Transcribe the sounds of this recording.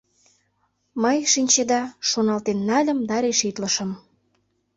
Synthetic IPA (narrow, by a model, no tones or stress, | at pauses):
məjʃinʲt͡ɕed̪ɑʃonɑlt̪enːɑlʲə̆md̪ɑɾeʃit̪ləʃə̆m